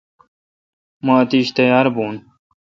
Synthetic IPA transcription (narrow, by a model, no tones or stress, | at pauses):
mãːt̪iːɕt̪ejaːɾbuːn